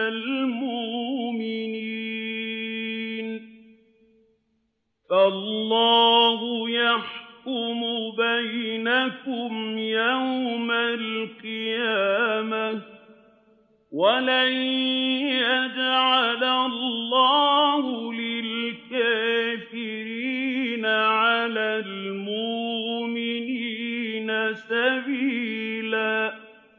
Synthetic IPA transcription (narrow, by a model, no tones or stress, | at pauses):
almʊʔʔmɪni | n | falllˤːɑːɦʊjaħkʊmʊbajnakʊmjawmalqɨjaːma | walajjjad͡ʒʕalallːɑːhʊlɪlkaːfɪɾiːnaʕalaːlmʊʔmɪniːnasabiːlaː